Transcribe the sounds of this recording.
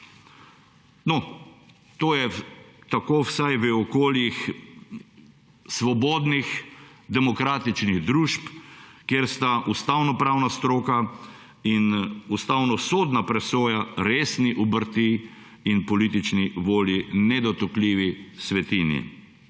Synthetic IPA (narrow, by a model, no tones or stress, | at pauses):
nɔ | t̪oːjɛt̪akoːwsajʋəɔkoːljix | sʋɔboːd̪nix | d̪ɛmɔkɾaːt̪it͡ʃniɣd̪ɾuːʃpkjeɾst̪aʔust̪awnɔpɾaːwnast̪ɾoːka | inust̪awnɔsoːd̪napɾɛsoːjaɾeːsniʔubəɾt̪i | inpɔlit̪it͡ʃniʋoːljinɛd̪ɔt̪əkliːʋisʋɛt̪iːnjḭ